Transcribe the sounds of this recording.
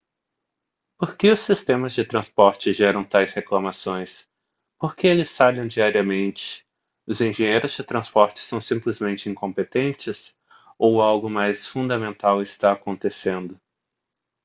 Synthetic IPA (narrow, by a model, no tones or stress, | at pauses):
poɾkɪʊsːist̪ẽmɐzd͡ʒɪt̪ɾɐ̃spɔɾt͡ʃɪʒɛɾɐ̃w̃t̪ajsheklɐmasõj̃s | poɾkeelɪsfaʎẽw̃d͡ʒiaɾiɐmẽnt͡ʃɪ̥ | ʊzẽʒẽɲejɾʊzd͡ʒɪt̪ɾɐ̃spɔɾt͡ʃɪ̥sɐ̃w̃sĩmplɪzmẽnt͡ʃɪĩŋkõmpet̪ẽnt͡ʃɪs | owawɡʊmajsfũnd̪ɐmẽnt̪awɪst̪aːkõnt̪esẽnd̪ʊ